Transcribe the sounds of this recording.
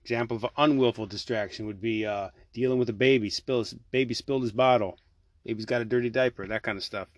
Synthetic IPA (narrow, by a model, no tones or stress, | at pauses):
ɪɡ̥zæ̃mpl̩ˠʌvə̃nwɪlˠfl̩ˠdɨstɹ̥ækʃɨ̃nwɨd̚bi | d̥ilˠɪ̃ŋwəðɨbeɪbispɪlˠsb̥eɪbispɪlˠdɨzbɑɾl̩ˠ | b̥eɪbizɡɑɾɨdɜ˞ɾidaɪpə˞ðɨt̚kʰãɪ̃ndəv̥stʌf